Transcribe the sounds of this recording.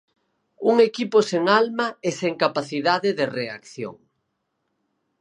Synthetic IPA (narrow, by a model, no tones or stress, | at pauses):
uŋekiposeŋalmaeseŋkapaθiðaðɪðerea̰kθjo̰ŋ